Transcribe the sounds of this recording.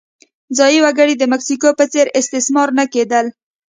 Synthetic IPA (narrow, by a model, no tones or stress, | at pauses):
zɑjiwaɡəɽid̪əmaksikopət͡seɾɪst̪ɪsmɑɾnaked̪əl